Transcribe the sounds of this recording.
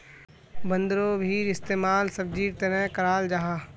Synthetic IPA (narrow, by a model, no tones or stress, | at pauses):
bə̃nd̪ɾobʱiːɾɪst̪eːmaːlsɐb̚d͡ʒiːɾt̪enɛ̃kɐɾaːld͡ʒaɦaː